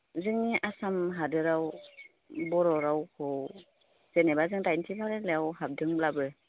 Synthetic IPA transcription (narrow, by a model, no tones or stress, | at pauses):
zɯŋniʔasamɦadɯɾaw | bɔɾɔɾawkʰɔw | z̥enebazɯŋtajntʰibʰaɾelejawhap̚dɯŋblabɯ